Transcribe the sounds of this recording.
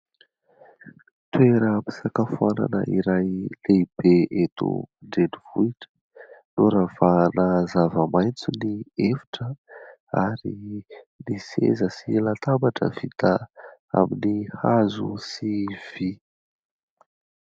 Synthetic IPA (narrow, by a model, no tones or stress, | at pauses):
t̪weɾəpi̥sakafuana̰nə̰ʔiɾajleib̥eet̪ṵɳɖ͡ʐenivuiʈ͡ʂə̥ | nuɾav̥anəzavəmajnt͡suniefi̥ʈ͡ʂə | a̰ɾi | nisḛzəsilat̪ambaʈ͡ʂə̰vit̪əa̰minihazṵsiv̥i